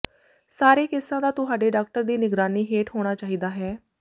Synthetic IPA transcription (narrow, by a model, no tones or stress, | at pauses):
saːɾeːkɪsːãːd̪aːt̪ʊɦaːɖeːɖaːk̚ʈəɾd̪iːnɪɡɾaːniːɦeːʈɦoːɽ̃aːt͡ʃaːɦiːd̪aːɦɛː